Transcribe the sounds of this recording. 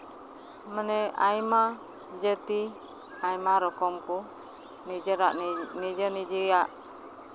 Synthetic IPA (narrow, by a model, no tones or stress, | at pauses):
mənea̰ima | d͡ʒət̪i | aimaɾɔkɔmku | niəɾaʔnid͡ʒənid͡ʒijaʔ